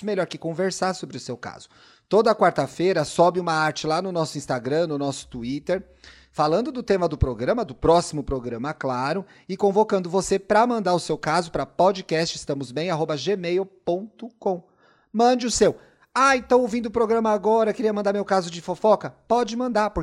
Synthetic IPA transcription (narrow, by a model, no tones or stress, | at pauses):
meʎɔɾkɪkõveɾsasobɾɪʊsewka̰z̥ʊ̥ | t̪od̪ɐːkwaɾt̪ɐfejɾɐsɔbɪũmɐaɾt͡ʃɪlanʊnɔsʊĩst̪aɡɾɐ̃nʊnɔsʊ̥t̪uit̪eɾ | falɐ̃nd̪ʊd̪ʊt̪ẽmɐd̪ʊpɾoɡɾɐ̃mɐd̪ʊpɾɔsimʊpɾoɡɾɐ̃mɐklaɾʊ | ɪkõvokɐ̃nd̪ʊvosepɾɐmɐ̃nd̪aɾʊsewkazʊpɾɐpɔd͡ʒɪkɛst͡ʃɪst̪ɐ̃mʊzbẽj̃aɦobɐʒemejupõt̪ʊkõ | mɐ̃d͡ʒɪʊsew | aẽt̪ɐ̃w̃owvĩnd̪ʊpɾoɡɾɐ̃mɐaɡɔɾɐkɪɾiɐmɐ̃nd̪aɾmewkazʊd͡ʒɪfofɔkɐpɔd͡ʒɪmɐ̃nd̪apʊɾ